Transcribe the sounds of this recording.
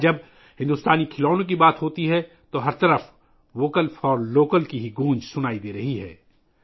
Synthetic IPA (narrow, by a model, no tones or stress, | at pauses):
d͡ʒɐb̚ | hɪ̃nd̪ʊst̪aːnikʰɪloːnõk̬ibaːt̪ɦoːt̪iɦɛ | t̪oɦɐɾt̪ɐɾəf | ʋoːkəlfɔːɾloːkəlkiɦiɡũːnd͡ʒsʊnaːid̪eːɾɐɦiɦɛ̰ː